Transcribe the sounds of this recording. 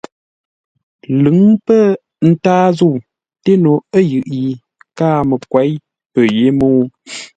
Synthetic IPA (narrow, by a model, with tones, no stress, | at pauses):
lɨ˨˦ŋpə˦˨ | n̩˦taː˦zu˦˨ | te˦no˨ə˦jɯ˨ʔji˨ | kaː˦mə˨kwa˨˦j | pə˨je˨˦moː˦